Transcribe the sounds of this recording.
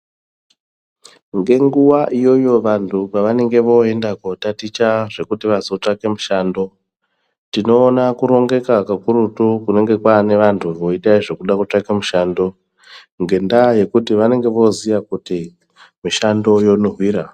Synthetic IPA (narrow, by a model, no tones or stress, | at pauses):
ŋɡe̞ŋɡuwaʔijo̞jo̞ʋantʰupaʋane̞ŋɡe̞ʋo̞e̞ndakotatit͡ʃaʐe̞kutiʋazo̞t͡ʂake̞muʃaːndo̞ | tino̞ːnakuɾo̞ŋɡe̞kakakuɾutukune̞ŋɡe̞kwane̞ʋantʰuʋo̞itaiʐe̞kuɗakut͡ʂakemuʃando̞ | ŋɡe̞ndaje̞kutiʋane̞ŋɡe̞ʋo̞ziʋakuti | miʃando̞jo̞nuɦwiːɾa